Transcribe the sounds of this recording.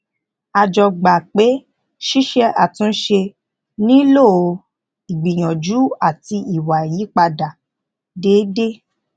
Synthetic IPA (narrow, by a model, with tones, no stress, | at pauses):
a˧d͡ʒɔ˧ɡ͡ba˨k͡pe˨˦ | ʃi˦ʃɛ˧a˨tũ˦ʃe˧ | nĩ˦lo˦˨˧ | i˨ɡ͡bĩ˨j̃ɔ̃˨d͡ʒu˨˦a˦˨ti˧i˨wa˨ji˨˦k͡pa˧da˨ | de˨˦de˦